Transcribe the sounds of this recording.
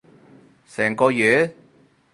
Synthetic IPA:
sɛː˨˩ŋkɔː˧jyː˨

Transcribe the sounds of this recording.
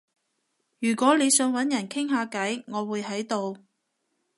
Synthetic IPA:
jyː˨˩kʷɔː˨˥le˨˧jsœː˨˧ŋwɐ˨˥njɐ˨˩nkʰɪ˥ŋɦaː˨˧kɐ˨˥jŋɔː˨˧wuː˨˧jɦɐ˨˥jt̪o˨˧w

